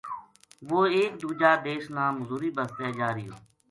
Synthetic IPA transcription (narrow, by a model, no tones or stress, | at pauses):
ʋoːeːkd̪uːd͡ʒaːd̪eːʃnãːməzuːɾiːbəst̪eːd͡ʒaːɾɪjoː